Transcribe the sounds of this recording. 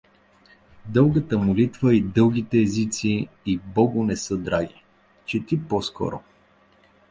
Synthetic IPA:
d̪ɤlˠɡət̪əmolit̪vəid̪ɤlˠɡ̟it̪ɛːzit̪siː | bɔɡʊnɛsɤd̪ɾaɡʲi | t͡ʃɛt̪ipɔskɔ̰ɾʊ̰

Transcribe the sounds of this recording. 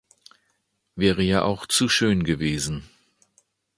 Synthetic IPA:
vɛːʁəjaːʔa̰ʊxt͡suʃøːnɡəveːzn̩

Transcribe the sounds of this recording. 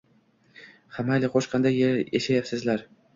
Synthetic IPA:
χamajlɪqʰoʃqʰɑnd̪ajeɾeʃajapsɪzlaɾ

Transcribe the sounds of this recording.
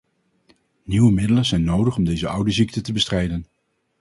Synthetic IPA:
niwəmɪdələnzɛjnowdəχɔmdejzəʔʌwdəzik̚tətəbəstrɛjdən

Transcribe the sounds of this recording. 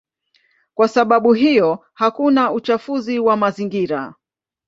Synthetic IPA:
kwasaɓaɓuɦijɔ | hakunaut͡ʃafuziwamaziŋɡiɾa

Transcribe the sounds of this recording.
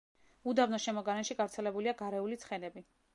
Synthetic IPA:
ud̪avnɔʃɛmɔɡaɾɛnʃiɡavɾt̪sʰɛlɛbuliaɡaɾɛulit̪sʰχɛnɛbi

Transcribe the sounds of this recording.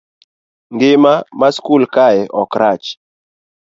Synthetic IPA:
ŋɡɪmamaskulkaɛʔɔkɾat͡ʃ

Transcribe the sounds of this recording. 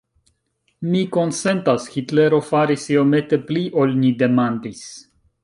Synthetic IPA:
miko̞nse̞ntasxitle̞ɾo̞faɾisiome̞t̪e̞pliʔo̞lnide̞mandis

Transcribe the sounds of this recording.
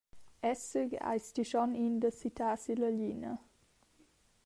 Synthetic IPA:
ɛsəɡa̰ɪjst̪iʃɔnind̪əsit̪ʰaːsiləʎinə̰

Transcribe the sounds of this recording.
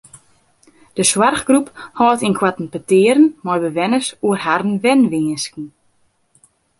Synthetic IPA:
d̥əswarχɡruphɔːtinkʰwatn̩pətɪːəɾənmɔjbəʋɛnəsuərɦarn̩ʋɛnʋiːəskn̩

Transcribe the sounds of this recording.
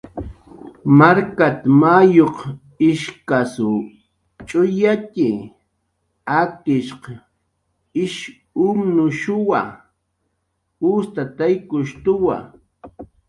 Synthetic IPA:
maɾkat̪amajoq | ɪʃkasʊ | t͡ʃʼʊjat̪ɪ | akɪʃq | ɪʃ | ʊmnʊʃʊwa | ʊst̪at̪ajkʊʃt̪ʊwa̰

